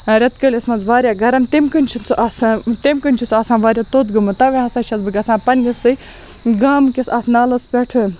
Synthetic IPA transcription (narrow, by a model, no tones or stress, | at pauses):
ɾʲɐt̪kəlʲɐsmɐnzʋaːɾʲjaːɡɐɾɐmt̪emkɨnʲt͡ʃʰunt͡sʰuʔast̪emkɨnʲt͡ʃʰut͡sʰɐːsãːʋaːɾʲjaːt̪oːt̪ɡɨmɨt̪ɐʋʲeɦɐsaːt͡ʃʰɐzbɨkʲɐsãːpɐnʲisɨj | ɡaːmkisaːt̪ʰnaːlɐspʲeʈʰɨ